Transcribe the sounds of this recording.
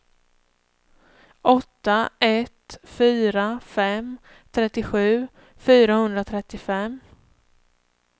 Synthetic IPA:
ʔɔt̪ːaɛt̪fyːɾafɛm | t̪ʰɾɛt̪ːɪɧʉ̟ː | fyːɾahɵnd̪ɾat̪ʰɾɛt̪ːɪfɛm

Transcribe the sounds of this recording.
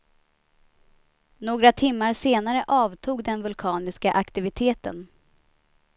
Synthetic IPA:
noːɡɾat̪ʰɪmːaɾseːnaɾəʔɑːvt̪ʰuːɡd̪ɛnvɵlkʰɑːnɪskaʔakt̪ɪvɪt̪ʰeːt̪ə̰n

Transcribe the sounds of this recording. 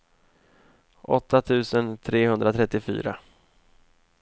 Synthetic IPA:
ʔɔt̪ːat̪ʰʉ̟ːsənt̪ʰɾeːhɵnd̪ɾat̪ʰɾɛt̪ːɪfy̰ːɾa̰

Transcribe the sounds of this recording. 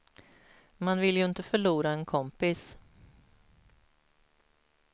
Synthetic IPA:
manvɪljɵɪnt̪əfœɭuːɾaɛnkʰɔmpɪs

